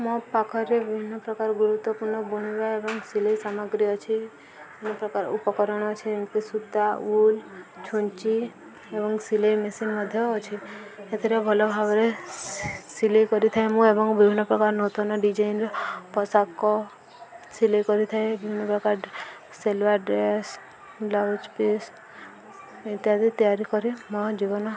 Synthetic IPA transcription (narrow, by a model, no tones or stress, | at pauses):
mɔ̃pakʰɔɾːebibʱinːəpɾɔkaɾɡuɾut̪wɔpuɾɳɔbuɳ̃iʋaebɔŋɡsiləisamɔɡɾiɔt͡ʃʰe | inɔpɾɔkaɾṵpɔkɔɾɔɽ̃ɔt͡ʃʰemkesut̪ːault͡ʃʰuɲt͡ʃi | ebɔŋɡsilejmesinmɔd̪ʱjɔːt͡ʃʰeet̪ʰiɾebʱɔlobʱaʋɾe | silejkɔɾit̪ʰaemũebɔŋbʱibʱinːɔpɾɔkaɾnot̪ɔnɔɖid͡ʒainɾɔpɔsakːɔ | silejkɔɾit̪ʰaebibʱinːɔpɾɔkaɾː | elʋaɾɖɾes | lawd͡ʒpes | ĩt̪iɦad̪it̪ijaɾikɔɾimɔd͡ʒibɔnɔ